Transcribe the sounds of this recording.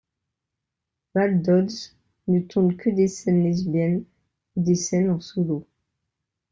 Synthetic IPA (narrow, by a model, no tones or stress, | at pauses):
vald̪ɔd̪z | nət̪ʰɔ̃bkəd̪esɛnlizbjɛn | ud̪esɛnɑ̃sulo